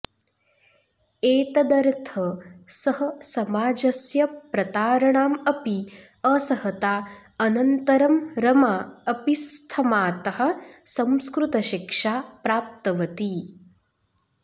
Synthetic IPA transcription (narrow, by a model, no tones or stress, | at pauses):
eːt̪ɐd̪ɐɾt̪ʰɐsɐɦɐsɐmaːd͡ʒɐsjɐpɾɐt̪aːɾɐɳaːmɐpi | ɐsɐhɐt̪aː | ɐnɐnt̪ɐɾɐmɾɐmaːɐpist̪ʰɐmaːt̪ɐɦɐ̆sɐmskɾut̪ɐʃikʂaːpɾaːp̚t̪ɐʋɐt̪i